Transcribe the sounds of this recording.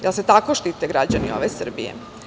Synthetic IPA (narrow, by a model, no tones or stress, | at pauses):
jelset̪akoʃt̪iːt̪eɡɾad͡ʑanio̰ʋesr̩bijḛ